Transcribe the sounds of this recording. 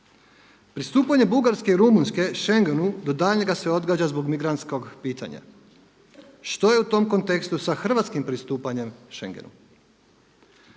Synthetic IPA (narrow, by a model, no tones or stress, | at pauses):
pɾist̪uːpaɲe̞buɡaɾske̞iɾumunske̞ʃe̞ŋɡenud̪o̞d̪aʎɲe̞ɡase̞o̞d̪ɡaːd͡ʑazbo̞ɡmiɡɾant̪sko̞ɡpiːt̪a̰ɲa̰ | ʃt̪o̞je̞ut̪o̞mko̞nt̪e̞kst̪usaxr̩ʋat̪skimpɾist̪uːpaɲe̞mʃḛŋɡe̞̰nṵ